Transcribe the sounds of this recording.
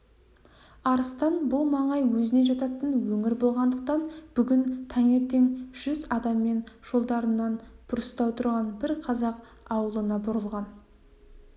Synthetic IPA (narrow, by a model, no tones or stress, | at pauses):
ɑɾəst̪ɑnbʊlˠmɑɴɑjwɵzɪne̞ʒɑt̪ɑt̪ənwɵŋɪɾbo̞lˠʁɑnd̪əq̚t̪ɑnb̥ʏɡʲɪnt̪ʰæŋe̞t̪e̞ŋʒ̥ʏzɑd̪ɑmːe̞nʒ̥o̞lˠd̪ɑɾənːɑnb̪̥ʊɾəst̪ɑwt̪ʰʊɾʁɑnbɪɾqʰɑzɑq | ɑwəlˠənɑbʊɾəlˠʁɑn